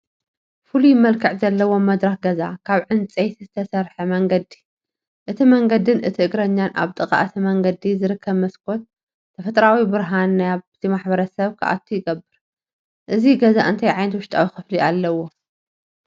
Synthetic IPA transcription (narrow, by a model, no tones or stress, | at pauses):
fulujɪmːɐlkʰɐʕzɐlːɐwo̞mɐd̪ɾaxɡɐza̰kʰaβʕɨnt͡sʼejt̪ʰizɨt̪ʰɐsɐɾħɐmɐŋɡɐd̪i̥ | ʔɨt̪ʰimɐŋɡɐd̪ɨnʔɨt̪ʰiʔɨɡɾɐɲːanʔa̰βt̪ʼɨkʼa̰ʔt̪ʰɐmɐŋɡɐd̪izɨɾɨkʰːɐβmɐskʰo̞t̪̚ | t̪ʰɐfɐt̪ʼɾawibɨɾɦanːjaβzimaħbɐɾɐsɐβkʰɐ̰ʔa̰t̪ʰːujɪɡɐbːɨɾ | ʔɨziɡɐzaʔɨnt̪ʰajʕajnɐt̪wʊʃt̪ʼawixɨfliʔalːɐwo̞